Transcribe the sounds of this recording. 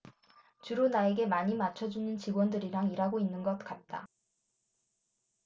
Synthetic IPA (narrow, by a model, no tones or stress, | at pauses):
t͡ɕuɾunae̞ɡe̞maɲimat͡ɕʰʌd͡ʑunɯnt͡ɕiɡwʌndɯɾiɾaŋiɾaɡoinːɯnɡʌt̚k͈at̚t͈a̰